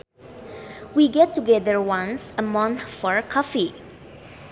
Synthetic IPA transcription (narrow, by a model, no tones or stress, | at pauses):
wiɡɛtːuɡɛdəɹwãnsəmɔ̃nθfɔɹkʰɔfi